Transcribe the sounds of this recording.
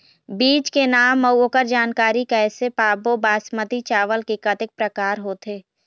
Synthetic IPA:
biːt͡ʃkenaːmːɐwokəɾd͡ʒaːnkaːɾikɛːsepaːbobaːsmət̪it͡ʃaːʋəlkekɐt̪ɪk̚pɾəkaːɾɦoːt̪ʰeː

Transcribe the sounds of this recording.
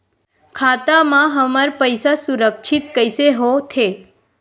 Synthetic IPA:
kʰat̪amãɦəmaɾpəjsasuɾəkʃʰit̪kəjseɦot̪ʰe

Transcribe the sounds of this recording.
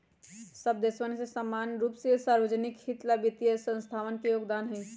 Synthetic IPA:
səbd̪esʋənsesəmːanɾupsisaɾbəd͡ʒnikhit̪labit̪ijəsə̃nst̪ʰaʋənkejoɡd̪anɦə̃

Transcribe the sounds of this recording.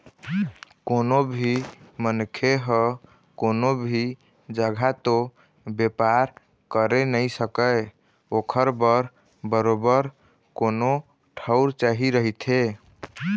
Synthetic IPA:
konobʱimənkʰeɦə | konobʱi | d͡ʒəɡʱat̪o | bjepaɾ | kəɾenəjsəkə | okʰəɾbəɾ | bəɾobəɾ | kono | ʈʰəʊɾt͡ʃaɦiɾəɦit̪ʰe

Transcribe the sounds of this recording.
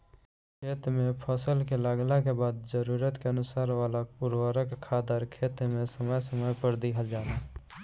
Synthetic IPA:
kʰeːt̪mẽpʰɔsəlkelaːɡlakebaːd̪d͡ʒəɾuːɾət̪keənʊsaːɾʋaːlaʊɾwəɾəkkʰːaːd̪əɾkʰeːt̪mẽsəməjsəməjpəɾd̪iɦəld͡ʒaːt̪aː

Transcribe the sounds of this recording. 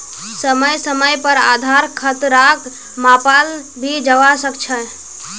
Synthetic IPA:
səməjsəməjpəɾa̰d̪ʱaɾkʰət̪ɾak | mapal | bʱid͡ʒəʋasəkt͡ʃʰə

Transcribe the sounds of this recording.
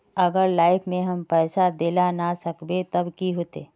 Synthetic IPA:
ɐɡəɾlaːɪfʰmẽɦɐmpɛːsad̪eːlanasɐkbet̪ɐbkiɦoːt̪ḛː

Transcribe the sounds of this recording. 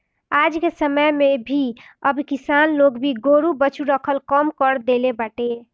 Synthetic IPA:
ad͡ʒkesəməjmebʱiəbkisanloɡbʱiɡoɾubət͡ʃʰuɾəkʰəlkəmkəɾd̪elebəʈe

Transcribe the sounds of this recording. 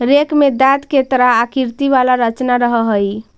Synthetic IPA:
ɾekmed̪at̪ket̪ɾaːkiɾt̪iʋalaɾət͡ʃnaɾəɦəɦəj

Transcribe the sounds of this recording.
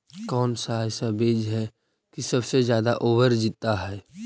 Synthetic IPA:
kɔːnsaɦaːjsabeːd͡ʒɦɛ | kisɐbsezjaːd̪aʔoːbəɾd͡ʒit̪ːaɦɛː

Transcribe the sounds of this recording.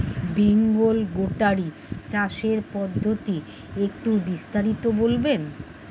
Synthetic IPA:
beŋɡolɡoʈaɾi | t͡ɕaʃeɾpɔd̪ʱːot̪i | ek̚ʈubist̪aɾit̪obolben

